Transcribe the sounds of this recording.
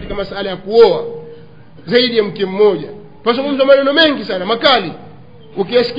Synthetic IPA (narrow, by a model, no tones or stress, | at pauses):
tikamasalajakuɔa | zaiɗijam̩kɛm̩mɔʄa | pazuŋɡum̩zamanɛnɔmɛŋɡisanamakali | ukiasi̥k